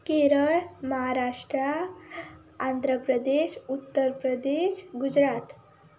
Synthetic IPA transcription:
keɾəɭməɦaɾaʂʈɾa | and̪ʱɾəpɾəd̪eʃut̪ːəɾpɾəd̪eʃɡud͡ʑɾat̪

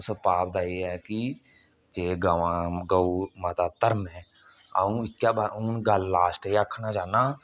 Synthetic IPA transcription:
sepaːp̚d̪aːiɛki | t͡ʃeːɡəʋãːɡəumət̪aːt̪əɾmɛ̃ | a̰ũɪkjaːbauːnɡəlːaːsʈeəkʰnad͡ʒaːnaː

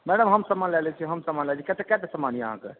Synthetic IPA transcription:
mɛɖəmɦəmsəmanlɛlɛt͡ʃʰɛɦəmsəmanlɛlt͡ʃʰikɛt̪ekɛt̪esəmaniə̰ɦã̰kḛ

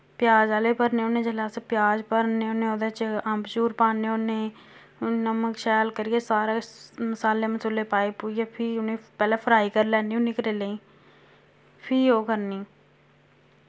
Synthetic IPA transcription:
pɪjaːd͡ʒaːleːpəɾneːonẽːd͡ʒəlaːsepɪjaːd͡ʒpəɾneːoneːoːd̪eːt͡ʃəmbt͡ʃuːɾpaːneoneː | nəməkʃɛːlkəɾieːsaːɾaːməsaːleməsʊleːpaːepuːijeːpʰɪʊnẽːpɛːleːpʰəɾaːiːkəɾlɛːnionɪkɾeːleːĩː | pʰɪoːkəɾniː

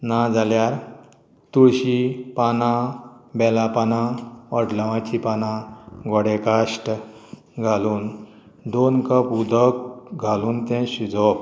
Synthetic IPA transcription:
nad͡zaljaɾ | t̪uɕipanãbɛlapanãɔʈlaʋãt͡ɕipanãɡɔɽekaʂʈ | ɡʱaluːn | d̪onkəpud̪ʱəkɡʱaluːnt̪ɛ̃ɕud͡zɔp̚

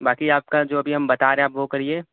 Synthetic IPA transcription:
baːkiaːp̚kad͡ʒoːɐbʱiɦɐmbɐt̪aːɾẽapʋokɐɾieː

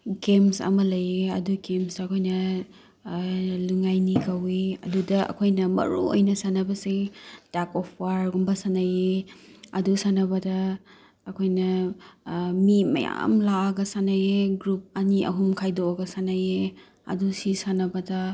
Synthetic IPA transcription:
ɡemsɐ̰mɐlɐjeɐduɡemsːkʰojnɐ | luŋajnikɐweɐ̰dudɐɐ̰kʰojnɐmɐ̰ɾṵo̰jnɐsanɐbɐsitakɔpʰwaɾɡumbɐsanɐjeɐdusanɐbɐdɐː | kʰojnɐ | mimɐ̰ja̰mlaɐɡɐsanɐjeɡɾup̚ɐniɐ̰ɦumkʰajdoɐɡɐsanɐje | ɐ̰dusisanɐbɐdɐ

